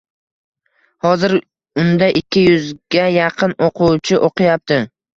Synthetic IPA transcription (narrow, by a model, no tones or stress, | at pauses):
hɒzɪɾ | ʊnd̪aʔɪkʲʰːɪjʊzɡʲajɑqʰɨnoqʰʊwt͡ʃʰɪʔoqʰɨjap̚t̪ʰɪ